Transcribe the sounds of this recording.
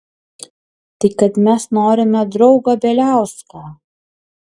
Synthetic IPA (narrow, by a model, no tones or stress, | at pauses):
t̪ɐɪkɐt̪mʲɛsnoːɾʲɪmʲɛd̪ɾɒʊɡɑːbʲeːlʲæˑʊskɑː